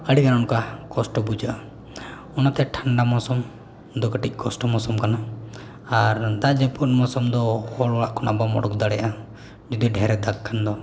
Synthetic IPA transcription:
əɽikanaɔnkakɔsʈɔbud͡ʒaʔa | ɔnat̪ɛʈʰaɳɖamɔsɔm | d̪ɔkəʈic̚ˀkʰɔsʈɔmɔsɔmkana | aɾd̪ad͡ʒɛpɔt̚mɔsɔmd̪ɔhɔɭɔɽaʔkɔnabamɔ̰ɽɔk̚d̪aɽɛjaʔa | d͡ʒud̪ɔɖʱɛɾɛd̪akkʰːand̪ɔ

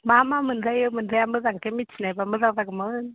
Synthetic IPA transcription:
mamamənzajəmənajaməzaŋkemit͡ʃnajbaməzaŋzaɡmən

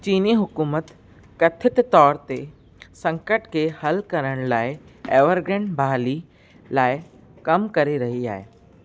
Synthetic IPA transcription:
t͡ʃiːniɦʊkuːmət̪ | kɐt̪ʰɪt̪t̪ɔːɾt̪e | sɐ̃ŋkəʈkehɐlkɐɾəɽ̃laːɪeːʋəɾɡẽɳbʱaːli | laːɪ | kɐmkɐɾeɾɐɦia̰ːɦeː

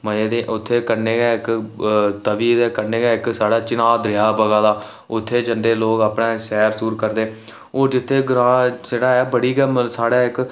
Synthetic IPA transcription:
məeːd̪eːʔʊt̪ʰːeːkəɾneːɡɛːɪk | t̪əʋiːd̪ɛːkəɾneːɡaːɪksaːɽaːt͡ʃɪnaːd̪ɾɪjaːbəɡaːd̪aː | ʊt̪ʰːeːd͡ʒəɳɖeːloːkaːpneːʃɛːɾsuːɾkəɾd̪eː | oːd͡ʒɪt̪ʰːeːɡɾãːseːɽaːɛːbəɽiːɡɛːmsaːɽaːɪk

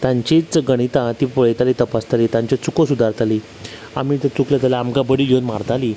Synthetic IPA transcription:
t̪ãɲt͡ɕit͡sɡəɽ̃it̪ãt̪ipɔɭet̪alit̪əpast̪aliːt̪ãɲt͡ɕat͡sukəsud̪ʱaɾt̪aliː | a̰miːt̪et͡suklet̪alaamkabəɽilonmaɾt̪aliː

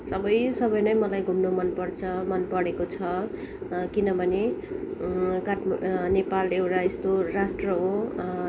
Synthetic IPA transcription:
sʌbʌjsʌbʌjnʌjmʌlajɡʱumnomʌnpʌrt͡sʰʌmʌnpʌɽekot͡sʰʌ | kinʌbʱʌne | kaʈnepalːeewʈaest̪orasʈrʌɦo

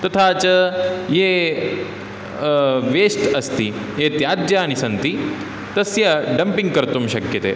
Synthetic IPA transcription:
t̪ɐt̪ʰaːt͡ʃɐjeː | ʋeːsʈɐst̪ijeːt̪jaːd̪jaːɐñisɐnt̪i | t̪ɐsjɐɖɐmpiŋɡ̚kɐɾt̪umʃɐkjɐt̪ḛː

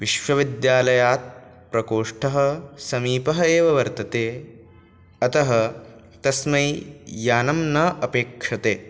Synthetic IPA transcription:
ʋiʃʋɐʋid̪jaːlɐjaːt̪̚ | pɾɐkoːʂʈʰɐɦɐ̆sɐmiːpɐɦɐeːʋɐʋɐɾt̪ɐt̪eː | ɐt̪ɐɦɐ | t̪ɐsmɐjjaːnɐmnɐʔɐpeːkʂɐt̪eː

